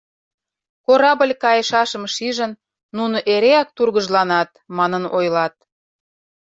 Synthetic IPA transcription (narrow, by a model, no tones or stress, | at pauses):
koɾɑbə̆lʲkɑjə̆ʃɑʃə̆mʃiʒə̆nː | unoʔeɾeɑk̚t̪urɣəʒlɑnɑt̪̚mɑnənojlɑt̪̚